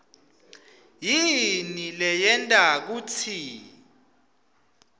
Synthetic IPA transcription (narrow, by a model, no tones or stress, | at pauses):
jinilɛjɛntʼak̬ut͡sʰi